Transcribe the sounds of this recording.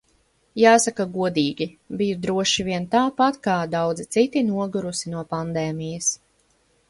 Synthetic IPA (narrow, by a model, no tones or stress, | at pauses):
jaːsakaɡuɔd̪iːɡʲibijud̪ɾuɔʃiviɛnt̪aːpat̪kaːd̪awd̪zit̪sit̪inuɔɡuɾusinuɔpand̪ɛːmijɐs